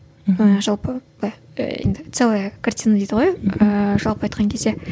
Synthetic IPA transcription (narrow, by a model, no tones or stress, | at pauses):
əʒɑlˠpə | ɑj̰ | ḛnd̪ɪt̪selˠəjkʰart̪ʲijnad̪ejd̪ɪəʁojəʒɑlˠpəɑjt̪qɑŋkʲʰezd̪e̞